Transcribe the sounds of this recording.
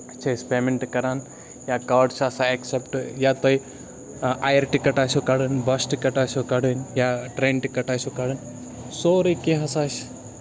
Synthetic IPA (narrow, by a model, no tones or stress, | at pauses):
t͡ʃʰespeːmeɳʈkɐɾaːn | jaːkaːɾɖsaːsaeksepʈjat̪oi | aːjəɾʈikɐʈaːsokɐɽənbɐsʈikɐʈaːsokɐɽənjaʈɾẽːnʈikɐʈaːsokɐɽən | soːɾɐkẽɦɐsaːʃ